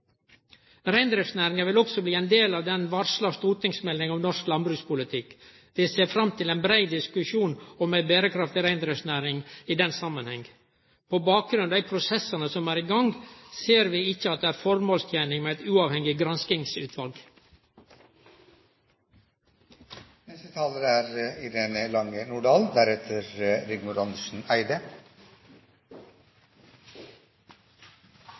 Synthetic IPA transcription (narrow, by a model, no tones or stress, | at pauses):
ɾæɪnd̪ɾɪfsnæːɾɪŋɑʋɪlɔksɔbliːɛɪnd̪eːlɑːʋd̪ɛnʋɑɾʂlɑst̪uːɾt̪ɪŋsmɛlnɪŋɑʋnɔʂklɑnbɾʉːspʊlɪt̪ʰɪk | d̪̥ɛseːɾfɾɑmt̪ʰɪlɛːnbɾæɪd̪ɪskʉʃuːnɔmæɪbeːɾəkʰɾɑft̪ɪɾæɪnd̪ɾɪfsnæːɾɪŋiːd̪ɛnsɑmːənhɛŋ | pʰoːbɑːk̚ɾʉnd̪æɪpʰɾʊsɛsənəsɔmæːɾɪɡɑŋɡseːɾʋiːɪçəɑt̪̚d̪eːæːɾfɔɾmoːlst̪ʰjæːnɪŋmeːæɪt̪ʉːɑːʋhɛŋɪɡɾɑnskɪŋsʉ̰ːt̪ʰʋɑlɡ | nɛst̪ət̪ʰɑːləɾæːɾɪɾeːnəlɑŋənuːɖɑːld̪æɾɛt̪ʰəɾɾɪɡmʊɾɑnd̪əʂn̩æɪd̪ə